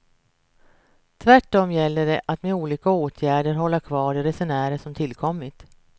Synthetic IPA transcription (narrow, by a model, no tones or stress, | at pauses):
t̪ʰvæʈːɔmjɛlːəɖɛʔat̪meuːliːkaoːt̪ʰjæːɖəɾɦɔlːaɾkʰvɑːɾɪɾɛsɛnæːɾəʂɔmt̪ʰɪlkʰɔmːɪt̪